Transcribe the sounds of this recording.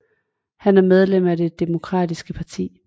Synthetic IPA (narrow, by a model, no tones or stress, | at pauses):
hænæɐmeð̞ˠlem̰æde̝d̥emo̝kʰʁɑ̰̈ːd̥isɡ̥əpʰɑ̈t͡sʰḭː